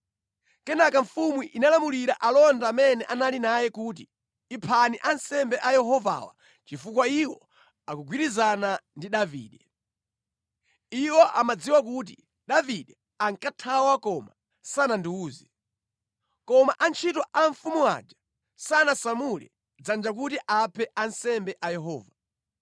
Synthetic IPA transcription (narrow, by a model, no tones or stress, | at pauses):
kɛnakaɱ̩fumwiʔinalamuliɾaʔalɔndaːmɛnɛʔanalinajɛkut̬i | ipʰaniʔansɛmbɛʔajɛɦɔva̰wa̰ | t͡ʃifukwaiwɔ | akuɡwiɾizanandiɗavḭːɗɛ | iwɔʔamad͡ziwak̬ut̬i | ɗaviɗɛ | aŋkatʰawakɔma̰ | sanandiuːzi | kɔmaʔant͡ʃʰitɔʔaɱfumuwa̰d͡ʒa | sanasamulɛ̰ | d͡zand͡ʒak̬utiʔapʰɛansɛmbɛʔajɛɦɔːva